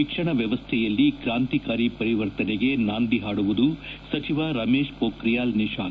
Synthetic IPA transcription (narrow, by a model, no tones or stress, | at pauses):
ikʂɐɳɐʋjɐʋɐst̪ʰɛjɐlːikɾaːnt̪ikaːɾipɐɾiʋɐɾt̪ɐneɡe̞naːnd̪iɦaːɽuʋud̪usɐt͡ʃiʋaɾɐmeːʂpoːkɾijaːlniʂaː